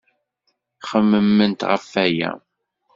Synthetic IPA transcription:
χəmːəmːənt̪ʁəfːæjæ̰

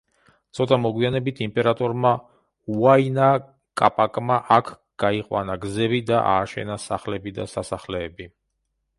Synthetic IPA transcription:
t̪sʰɔt̪ʼamɔɡwianɛbit̪ʰimpʼɛɾat̪ʼɔɾma | uaina | kʼapʼakʼmaʔakʰ | ɡ̥aiqʼwa̰naɡzɛbid̪aʔa̰ːʃɛ̰nasaχlɛbid̪asasaχlɛːbi

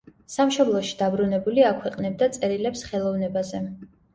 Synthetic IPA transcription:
samʃɔblˠɔʃi̥d̪abɾunɛbuliakʰwɛqʼnɛb̚d̪at̪sʼɛɾilɛpsχɛlˠɔvnɛbazɛ

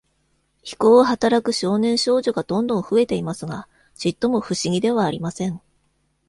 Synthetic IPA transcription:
çi̥ko̞ːɦat̪aɾakɯ̟ɕo̞ːnẽ̞ɰ̃ɕo̞ːʑo̞ɡad̪̥õ̞nd̪õɰ̃ɸɯ̟e̞t̪e̞imasɨɡa | d͡ʑit̪ːo̞mo̞ɸɯ̟ɕiɡʲid̪e̞βaːɾʲimasẽ̞ɴ

